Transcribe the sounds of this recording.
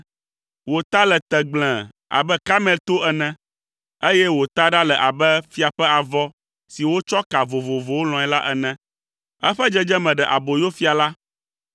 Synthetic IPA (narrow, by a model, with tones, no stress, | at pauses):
wo˨t̪a˦lɛ˨t̪ɛ˨ɡ͡blɛ̃˨ | a̰˨bɛ˦ka˦mɛ̃˦lt̪o˦ʔɛ˨nɛ̃˦ | e˦jɛ˦wo˨t̪a˦ɖa˦lɛ˨ʔa˨bɛ˦fi˦a˨ɸɛ˦a˨vɔ˦ | si˨wo˦t͡ʃɔ˦ka˨vo˨vo˨vo˨wo˦l̃ɔ̃˨ɛ˨la˦ʔɛ˨nɛ̃˦ | ɛ̰˦ɸɛ˦d͡ʒɛ˦d͡ʒɛ˦mɛ̃˨ɖɛ˨ʔa˨bo˨jo˦fi˦a˨la˦